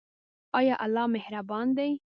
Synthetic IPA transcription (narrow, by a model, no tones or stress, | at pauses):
ɑjɑʔalːɑmehɾabɑnd̪ej